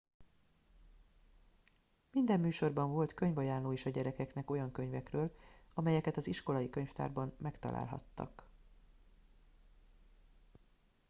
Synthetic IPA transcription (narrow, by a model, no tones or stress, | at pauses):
mind̪ɛmːyːʃo̞rbɒɱvo̞lt̪kø̞ɲvɒjaːnloːeːʃɒɟɛɾɛkɛknɛko̞jɒŋkø̞ɲvɛkrøːlɒmɛjɛkɛt̪ɒziʃko̞lɒjikøɲft̪a̰ːrbɒmmɛkt̪ɒ̰lʔa̰ːlɦɒ̰t̪ːɒ̰k